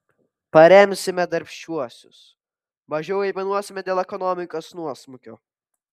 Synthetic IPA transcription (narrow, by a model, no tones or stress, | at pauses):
pɐɾʲɛmʲsʲɪmʲɛd̪ɐɾʲpʲʃt͡ʃʲuɔsʲʊ̰s | ʋɐʒʲɛʊɛɪmʲɐnuɔsʲɪmʲɛd̪ʲeːlˠɛkɔnɔmʲɪkoːsnuɔsmʊkʲoː